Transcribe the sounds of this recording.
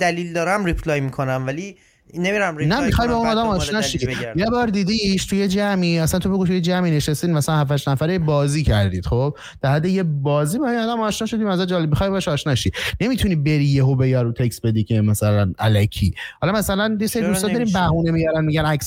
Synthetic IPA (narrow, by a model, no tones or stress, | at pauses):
d̪̥æliːld̪ɒːɾæmɾipʰlɒːjmikʰonæmvæli | nemiɾæmnæmixɒjbɒunnɒːd̪æmɒːʃʃnɒːʃijebɒːɾd̪iːd̪iʃt̪ʰujed͡ʒæmiːæsænt̪ʰobeɡut̪ʰujed͡ʒæmine̞ʃest̪inmæslænhæfæʃnæfæɾebɒːziːcʰæɾd̪iːd̪̥χob̥̚ | d̪̥æɾhæd̪ːejebɒːziːbehæinɒːd̪æmɒːʃnɒːʃod̪imæzæd͡ʒɒːlebmixɒjbɒʃɒːʃnɒːʃine̞mit̪ʰunibe̞ɾijeɦobejɒɾut̪ʰeksbe̞d̪iːkʰe̞mæsælænʔælæcʰḭːhɒlɒmæsælænjeseɾid̪ust̪ɒbeɾimbæɦuːnemijæɾænmiɟænæks